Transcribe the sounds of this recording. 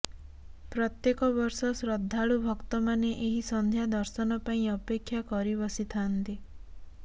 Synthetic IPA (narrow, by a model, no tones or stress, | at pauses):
pɾɔt̪jekɔβɔɾsɔsɾɔd̪ʱːaɭubʱɔkt̪ɔmaneʔeɦisɔnd̪ʱjad̪ɔɾsɔnɔpaĩɔpekʰːjakɔɾibɔsit̪ʰant̪i